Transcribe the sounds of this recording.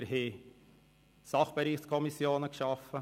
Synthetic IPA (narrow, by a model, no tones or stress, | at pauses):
ɾhe | sɑχb̥eɾiːxskʰɔmisjoːnəkʃɑfə